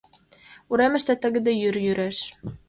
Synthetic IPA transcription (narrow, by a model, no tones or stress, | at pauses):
uɾæmɘ̆ʃt̪æt̪ɘ̆ɡɘ̆d̪æjyɾjyɾʔæʃ